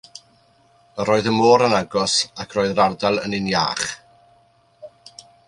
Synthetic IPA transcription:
əɾoːɨðəmoːɾənaɡɔsakʰroːɨðrardalˠə̰nɪnja̰ːχ

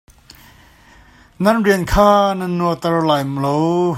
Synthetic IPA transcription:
nɐnriənkʰaːnɐnːut̪ɐrlaːjmlow

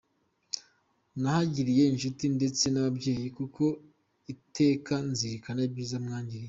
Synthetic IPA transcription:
nahaɟiɾije̞inʃutinde̞t͡se̞naβabɟe̞ːjikukʰo̞ | itʰe̞ːkanziɾikanabjiːzamŋaːɲɟiɾi

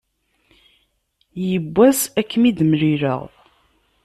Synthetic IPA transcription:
jəbʷːæsækːmid̪mɾiɾə̰ʁ

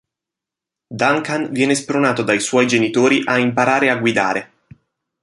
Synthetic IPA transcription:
d̪aŋkanvjɛːnespɾonaːt̪od̪ajswɔjd͡ʒenit̪oːɾiʔaimpaɾaːɾeaɡwid̪a̰ːɾe

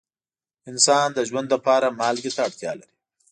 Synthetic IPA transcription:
ɪnsɑnd̪əʒwand̪ləpɑɾamɑlɡit̪aːɽt̪jɑ̰laɾi̥

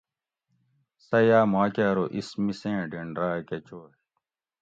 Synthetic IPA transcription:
sɐjaːmaːkaːɾoʔismisẽːɖiɳɖɾaːket͡ɕoː

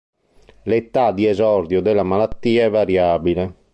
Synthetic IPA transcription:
let̪ad̪iɛzɔɾd̪jod̪ɛlamalat̪ːiːaɛvːaɾjaːbile

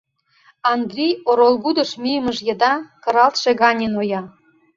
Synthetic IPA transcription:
ɑnd̪rʲijoɾolˠɡud̪ə̆ʃmʲijəmə̆ʒjə̆d̪ɑkɤ̆ɾɑlt̪ʃeɣɑnʲenojɑ

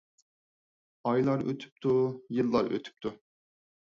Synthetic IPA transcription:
ɑjlˠɑɾøt̪ʰy̥p̚t̪ʰujɨlˠːɑɾʔø̰t̪ʰy̥p̚t̪ʰu

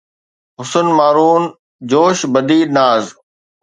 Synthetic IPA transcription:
ɦʊsənmaːɾuːn | d͡ʑoːʃbɐd̪iːnaːz

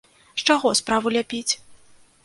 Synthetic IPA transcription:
ʂt͡ʂaɣɔspɾavulʲapʲit͡sʲ

